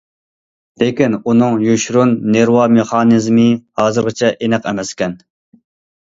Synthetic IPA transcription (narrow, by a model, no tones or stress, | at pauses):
lekʲinunɨŋjuʃɾunːeɾwɑmeχɑːnɨzmɨhɑːzɨɾʁɨt͡ʃʰɛʔenɛqɛmɛskʲɛn